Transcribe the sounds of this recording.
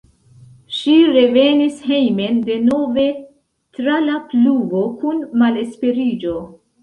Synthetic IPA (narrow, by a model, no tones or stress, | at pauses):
ʃiɾe̞ve̞nishe̞jme̞nde̞no̞ve̞ | tɾalapluɡo̞kunmale̞spe̞ɾid͡ʒo̞